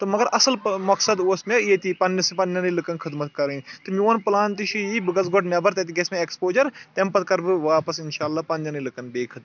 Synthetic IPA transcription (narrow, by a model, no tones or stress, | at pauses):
t̪ɨmɐɡɐɾʔɐsɐlmɐksɐd̪oːsmeit̪ipɐnːɐsɨpɐnːɐnilɨkɐnkʰɨd̪mɐt̪kɐɾint̪ɨmʲiɐnpɨlaːnt̪iʃʰijibɨɡɐzɡoʈnʲɐbɐɾt̪ɐt̪̬iɡʲɐsmeekspoːd͡ʒɐɾt̪empɐt̪̚kɐɾbɨʋaːpɐsinʃaːlːaːpɐnːjɐnilɨkɐnbeːkʰɨt̪̚